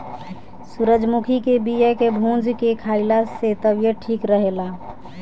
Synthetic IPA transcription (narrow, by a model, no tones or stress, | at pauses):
suɾəd͡ʒmukʰikebijəkebʱũnd͡ʒkekʰaɪlaset̪əbjəʈʰiːkɾəɦela